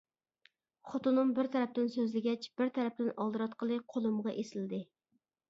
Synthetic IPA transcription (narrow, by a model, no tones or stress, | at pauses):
χot̪unumbɪɾt̪ʰɛɾɛp̚t̪ɪnsøzlɪɡʲɛt͡ʃb̥ɪɾt̪ʰɛɾɛp̚t̪ɪnɑlˠd̪ɨɾɑt̪qʰəlˠɨqʰolˠumʁɑʔesɪld̪ɪ